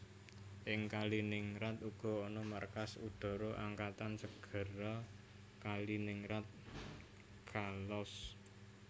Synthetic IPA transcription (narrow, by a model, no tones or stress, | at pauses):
ʔɪŋkalinɪŋɾat̪uɡ̥ɔ̤ɔnɔmarkasud̪̥ɔ̤ɾoʔaŋkat̪ansəɡ̥ə̤ɾɔ | kalinɪŋɾat̪̚ | ɡ̥alɔs